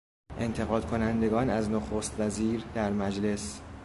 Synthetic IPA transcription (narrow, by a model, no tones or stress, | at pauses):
ʔe̞nt̪ʰe̞ɣɒːd̪̚kʰo̞nænd̪e̞ɡɒːnæznoxoːst̪væziːɾd̪æɾmæd͡ʒle̞s